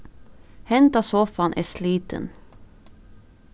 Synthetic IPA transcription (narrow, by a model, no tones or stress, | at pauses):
hɛnt̪ɑsɔfɑnʔæ̰ːʂliːt̪ə̰n